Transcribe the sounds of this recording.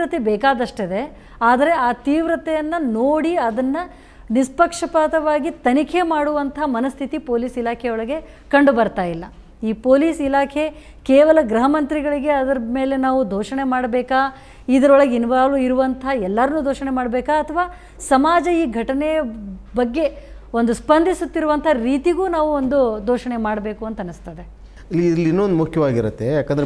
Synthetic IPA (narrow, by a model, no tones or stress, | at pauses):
ɾɐt̪ebɛːkaːd̪ɐʂʈid̪e̞ | aːd̪ɐɾe̞aːt̪iːʋɾɐt̪ɛjɐnːɐnoːɽiɐd̪ɐnːɐ | nispɐkʂɐpaːt̪ɐʋaːɡit̪ɐnikʰe̞maːɽuʋɐnt̪ʰɐamɐnɐst̪ʰit̪ipoːliːsilaːkʰɛjɔɭɐɡe̞ | kɐɳɖubɐɾt̪aːjilːɐ | iːpoːliːsilaːkʰe̞ | keːʋɐlɐɡɾɐɦɐmɐnt̪ɾiɡɐɭiɡe̞ɐd̪ɐɾɐme̞ːle̞naːʋud̪ʱoːʂɐɳemaːɽɐbɛːkaː | id̪ɐɾɔɭɐɡinʋaːluiɾuʋɐnt̪ʰɐɛlːɐɾɐnːuːd̪ʱoːʃɐɳemaːɽɐbɛːkaːt̪ʰɐʋaː | sɐmaːd͡ʒɐiːɡʱɐʈɐnebɐɡːe̞ | o̞nd̪uspɐnd̪ʱisut̪ːiɾuʋɐnt̪ʰɐɾiːt̪iɡuːnaːʋuond̪ud̪ʱoːʃɐɳe̞maːɽbe̞ːkuɐnt̪ɐnust̪ɐd̪e | ilːilːinːond̪umukʰjɐʋaːɡiɾut̪ːe̞jaːkɐnd̪ɐɾ